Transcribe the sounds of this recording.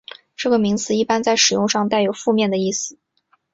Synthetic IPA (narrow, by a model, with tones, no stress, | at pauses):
ʈ͡ʂɤ˥˩ɡə˩mi˧˥ŋt͡sɹ̩˧i˥˩pa˥nt͡sa˥˩ɪʂɻ̩˨˩jʊ˥˧ŋʂɑ˥˧ŋt̪a˥˩ɪjo˨˩ʊfu˥˧mjɛ˥˩nd̪ə˩i˥˩sɹ̩˩